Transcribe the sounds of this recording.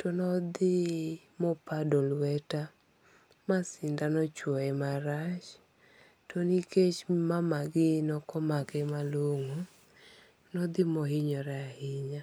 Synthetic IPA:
tɔnɔd̪ɪ | mɔpadɔlwɛta | masɪndanɔt͡ʃwɔɛmaɾat͡ʃ | toniket͡ʃmamaɡɪnɔkɔmakɛmaloŋo | nɔd̪ɪmɔhɪɲɔɾɛahɪɲa

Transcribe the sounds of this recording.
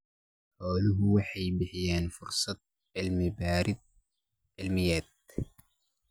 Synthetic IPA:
ħaːlʊɦwaħibɪħjaːnfʊɾsˤɑt̪̚ | ʕalmabaːɾɪd̪̚ | ʕɪlmɪjːaːt̪̚

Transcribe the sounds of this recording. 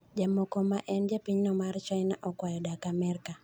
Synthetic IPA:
d͡ʒamɔkɔmaʔɛnd͡ʒjapiɲnɔmart͡ʃajnaʔɔkwajɔdakamɛɾka

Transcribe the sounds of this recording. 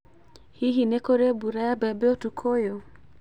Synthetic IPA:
hiɦinekoɾebuɾajabɛbeotukʰojo

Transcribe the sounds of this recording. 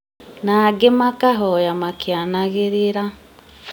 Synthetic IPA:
naɡemakaɦɔjamakjanaɣeɾeɾa

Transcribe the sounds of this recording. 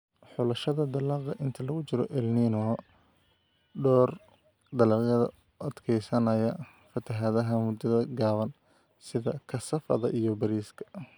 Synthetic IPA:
ħʊlɐʃɐðɐd̪ɐlɑːqɐʔɪnt̪ʰɐlɐɣʊt͡ʃɪɾɔ̰ʔɛlninɔ | ɖɔːr | d̪ɐlɑqɐðɐ̰ | ɐd̪kʰɛjsɐnɐjɐ | fɐt̪ʰɐɦɐðɐɦɐmʊd̪ɐðɐɡaːβɐn | sɪðɐkʰɐsɐfɐ̰ðɐ̰ʔijɔbɐɾiːskʰɐ̥

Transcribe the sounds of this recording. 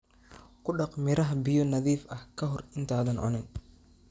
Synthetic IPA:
kʰʊɖɑqmɪɾɐɦbɪjɔnɐðiːfɐhkʰɐɦɔrɪnt̪ʰaːðɐnʔɔ̰nɪn

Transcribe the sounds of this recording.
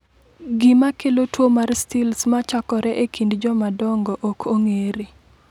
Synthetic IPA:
ɡɪmakelotwomarstilsmat͡ʃakɔɾɛʔekʰindd͡ʒɔmadɔŋɡɔʔokʰoŋeɾi

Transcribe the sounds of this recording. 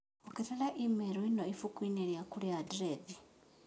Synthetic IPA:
oketelaʔimeɾoinoifukwineɾjakuljadɾevi

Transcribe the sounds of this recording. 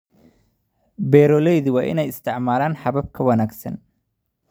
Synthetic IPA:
bɛːɾɔːlɛjðʊwɑːʔɪ̰nɛjɪst̪ʰɪʕmaːlaːnħɑβɐb̚kʰɐwɐnaːɡsɐ̰n

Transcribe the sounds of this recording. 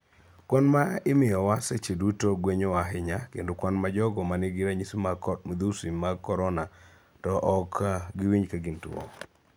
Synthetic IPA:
kwɔnmaɪmɪjɔwaset͡ʃedutoɡweɲowaɦɪɲakḛndokwɔnmad͡ʒɔɡɔmanɪɡɪɾaɲisd̪usimaɡkːɔɾɔna | tɔʔɔkɡɪwiɲkaɡɪntɔ̰

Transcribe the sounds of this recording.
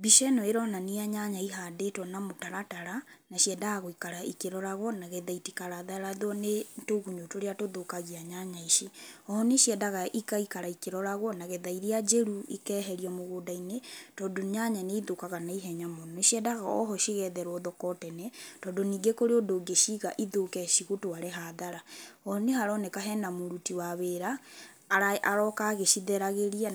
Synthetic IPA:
biʃɛnɔeɾɔnaniaɲaɲaiɦadetɔnamotaɾataɾanaɕiɛdaɣaɣoikaɾaʔikeɾɔɾaɣwɔnaɣeðaitikaɾaðaɾaðwɔnetoɣuɲotoɾeatoðokaɣiaɲaɲaiʃiɔɔneɕiɛdaɣaʔikaikaɾaikeɾɔɾaɣwɔnaɣeðaiɾiad͡ʒɛɾuikɛːɦɛɾiɔmoɣoːdainetɔːdoɲaɲaneiðokaɣanaiɦɛɲamɔnɔeʃiɛdaɣaɔ̰ɦɔʃiɣɛðɛɾwɔðɔkɔtɛnɛtɔːdoniːɡekoɾeodoɡeʃiɣaʔiðokɛʃiɣotoaɾeɦaðaɾaɔnehaɾɔnekaɦɛnamoɾutiwaβeɾa | aʔɾɔkaɣeʃiðɛɾaɣeɾia

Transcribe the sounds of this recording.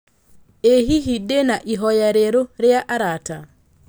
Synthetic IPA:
eɦiɦidenaʔiɦɔjaɾeɾoɾɛaʔaɾata

